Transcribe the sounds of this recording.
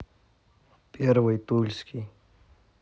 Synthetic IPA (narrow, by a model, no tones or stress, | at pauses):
peɾʋəjt̪ulʲski